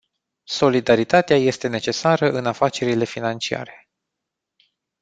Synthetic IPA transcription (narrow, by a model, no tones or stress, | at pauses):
so̞lid̪aɾit̪at̪eaje̞st̪e̞ne̞t͡ʃe̞saɾəʔɨnafat͡ʃe̞ɾile̞finant͡ʃia̰ɾe̞̥